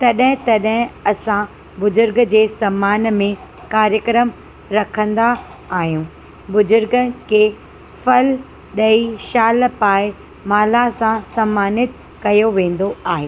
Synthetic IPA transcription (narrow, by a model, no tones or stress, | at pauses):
t̪ɐɗɦɪ̃t̪ɐɗɦɪ̃ɐsã | bʊzʊɾɡd͡ʑeːsɐmaːnmẽ | kaːɾjəkɾəm | ɾɐkʰə̃nd̪aː | ɦijũː | bʊzʊɾɡəkʰeː | fɐl | ɗɐiʃaːlpaːɪ | maːlasãsɐmːaːnɪt̪ | kɐjoʋẽːn̆d̪oaːɦeː